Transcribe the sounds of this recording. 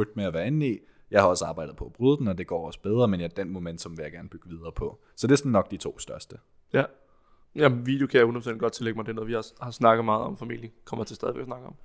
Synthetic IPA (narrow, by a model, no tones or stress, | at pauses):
ud̥meæʋæɐe̝n̩i | jɑ̈ɪhɑ̈ɒ̽səɑ̈ːb̥ɑ̈ɪ̰dð̩ˠpʰɒ̽æb̥ʁyð̞ˠd̥n̩ɒ̽d̥e̝ɡ̥ɒ̰ːɒ̽sə̥b̥eð̞ˠʁɐmenjad̥enmo̝men̰d̥sɒ̽mʋe̝jaɪɡæɐnəb̥yɡ̥əʋið̞ˠɐːpʰɒ̽ | sɒ̽d̥e̝æɐsɒn̩ːɒ̽ɡ̥̚d̥it͡sʰo̝̰ːsd̥ɶɐsd̥ə | jæ | jæʋḭd̥jokʰæjaunɒ̥senɡ̥ɒ̥̽t͡sʰe̝leɡ̥mɑ̈ɪd̥eɐnoːðˠʋiɑshɑ̈snɑ̈ɡ̥ð̩ˠmɑ̈ːð̞̩ˠɒ̽mfæmḭl̰jəkʰɒ̽m̰ɐt͡sʰe̝sdɛðˠieɡ̥snɑ̈ɡ̥̩ˠɒ̽m